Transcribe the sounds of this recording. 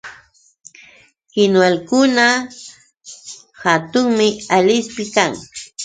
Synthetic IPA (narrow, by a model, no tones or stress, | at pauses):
kɪnwalkʊna | hat̪ʊŋmɪalɪspɪkaŋ